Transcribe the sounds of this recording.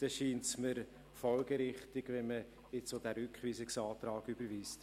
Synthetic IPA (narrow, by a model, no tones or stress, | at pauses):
d̥ɛʃiːntsməɾ | fɔlɡəɾɪχtɪɡʋɛnmə | ɪt͡sodæːɾʏkχʋiːsɪksɑːt̪ɾɑːɡyb̥əɾviːst